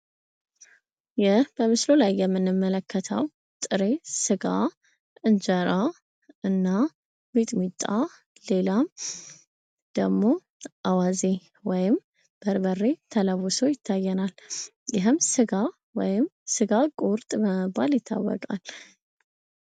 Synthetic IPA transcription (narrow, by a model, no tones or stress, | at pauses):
jɪhb̥əmɨslolajːɛmːɨnːɨmːələkːət̪ʰə̰w | t̪ʼɨɾe̞sɨɡa | ɨnd͡ʒəɾa | ɨnːa | mit̪ʼmit̪ʼːa | le̞lam | d̪̥əɡmo̞ | ʔawaze | wɔjɪm | b̥əɾbərːe̞t̪ʰələwːʊso̞jɪt̪ʰːajːɛnaljɪɦɨmsɨɡa | wɔjɪmsɨɡakʼoɾt̪ʼməəbaljɪt̪ʰːa̰wːɔ̰kʼa̰l